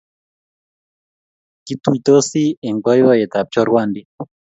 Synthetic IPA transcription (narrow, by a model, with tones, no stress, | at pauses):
ki˦t̪u˦i˨t̪o˦si˦ɛ˨ŋɡwa˦ji˦wa˦jɛ˨t̪a˨p̚t͡ʃɔ˦ɾwa˦˨ndi˦